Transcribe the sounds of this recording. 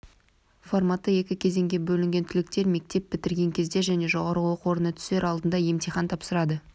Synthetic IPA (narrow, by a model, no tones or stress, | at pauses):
formɑt̪ːəje̞kʲɪkʲʰe̞ze̞ŋɡʲe̞bɵlɪŋɡʲe̞nt̪ʰʏlɪk̚t̪e̞ɾme̞k̚t̪e̞p̚bɪt̪ɪɾɡʲe̞ŋkʲʰe̞zd̪e̞ʒæne̞ʒo̞ʁɑɾəwo̞qəwo̞ɾənət̪ʰʏ̥se̞ɾɑlˠd̪ənd̪ɑje̞mt̪ijχɑnt̪ʰɑpsəɾɑd̪ə